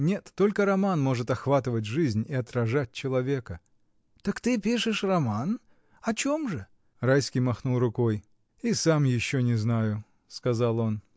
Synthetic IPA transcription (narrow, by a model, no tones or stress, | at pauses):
nʲe̞t̪ːo̞lʲkəɾɐmanmo̞ʐɨt̪ɐxvat̪ɨvət̬̚ʲʐɨzʲnʲɪɐt̪ɾɐʐat̚ʲt͡ɕɪlˠɐvʲe̞kə | t̪əkt̪ɨpʲiʂɨʂrɐman | ɐt͡ɕomʐɨ | rajskʲijmɐxnulˠrʊko̞j | isamjɪɕːonʲɪznajʊ | skɐzalˠo̞n